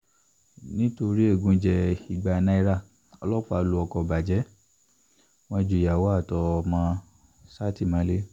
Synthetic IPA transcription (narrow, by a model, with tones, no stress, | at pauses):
nĩ˦to˧ɾi˦e˦˨ɡũ˧˦d͡ʒɛ˧i˨ɡ͡ba˨nã˦i˧˦ɾa˦˨ | ɔ˧lɔ˦k͡pa˧lu˧ɔ˧kɔ˧ba˨d͡ʒɛ˨˦ | w̃ɔ̃˧˦d͡ʒu˨ja˨wɔ˨˦a˦˨tɔ˧mã˦ | sa˦ti˦˨mã˨˦le˦